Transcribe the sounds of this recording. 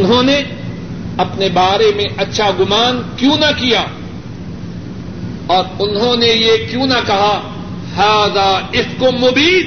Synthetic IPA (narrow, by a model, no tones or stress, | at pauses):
ʊnɦõne | ɐpnebaːɾemẽɐtːʃʰaɡʊmaːnkjũnakijaː | ɔːɾʊnɦõnejekjũːnɐkɐɦa | haːd̪aɪskomʊbiːd̪